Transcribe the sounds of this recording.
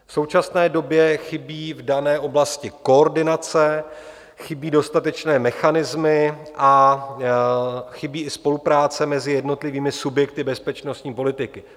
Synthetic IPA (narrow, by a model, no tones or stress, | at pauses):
fsowt͡ʃasnɛːdo̞bjɛxɪbiːvdanɛːʔo̞blascɪko̞oɾdɪnat͡sɛ | xɪbiːdo̞st̪at̪ɛt͡ʃnɛːmɛxanɪzmɪʔa | xɪbiːʔɪspo̞lupɾaːt͡sɛmɛzɪjɛdno̞t̪lɪviːmɪsubjɛk̚t̪ɪbɛspɛt͡ʃnost̪ɲiːpo̞lɪt̪ɪkɪ